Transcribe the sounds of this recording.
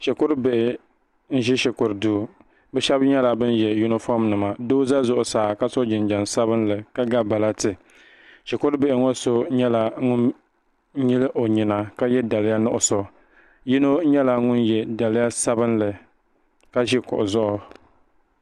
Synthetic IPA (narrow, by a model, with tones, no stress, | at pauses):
ʃɪ˨kʊ˦ɾbɪ˨ʔɪ˨ | n̩˦ʒi˦ʃɪ˨kʊ˨ɾdu˨ | bɛ˦ʃɛ˦bɲɛ˦la˨bɨ˦njɛ˨ju˦nɪ˦fɔ˦mnɨ˨ma˨do˦za˦zʊ˨ʔʊ˨saː˨ka˦so˦d͡ʒɪ˨nd͡ʒa˨nsa˦bɨ˦nlɨ˨ka˦ɡa˦ba˨la˦tɨ˨ | ʃɪ˨kʊ˦ɾbɪ˨ʔɪ˨ŋɔ˦so˦ɲɛ˦la˨ŋʊ˦n | ɲi˦lɨ˦ʔo˨ɲɪ˨na˨ka˦jɛ˦da˨lɪ˦ja˦nʊ˦ʔʊ˨so˨ | ji˦no˦ɲɛ˦la˨ŋʊ˦njɛ˨da˨lɪ˦ja˦sa˦bɨ˦nlɨ˨ | ka˦ʒi˦kʊ̰˨ʔʊ˨zʊ˦ʔʊ˦